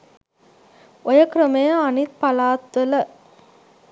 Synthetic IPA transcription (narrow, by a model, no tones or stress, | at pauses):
ojɐkrɐmejɐɐnit̪̚pɐlaːt̪ʋɐlɐ